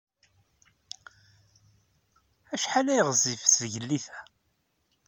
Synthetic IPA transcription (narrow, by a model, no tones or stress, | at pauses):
æʃħalæjʁzifsʝəlːiθæ̥